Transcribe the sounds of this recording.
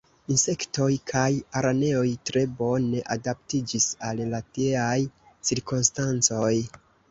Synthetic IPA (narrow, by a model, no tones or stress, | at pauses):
inse̞kto̞jkʰajaɾane̞o̞jtɾe̞bo̞ne̞ʔadap̚tid͡ʒisallateaj | t͡siɾkonstant͡so̞j